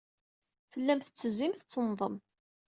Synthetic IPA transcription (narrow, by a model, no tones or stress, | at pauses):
fəlːæmθət͡sːəzimθt͡sːənːðˤəm